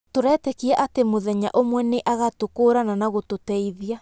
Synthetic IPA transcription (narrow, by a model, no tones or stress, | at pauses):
toɾɛːtɛkiaʔatemoðɛɲa̰ʔomwɛneʔaɣatokoːɾananaɣototɛiðia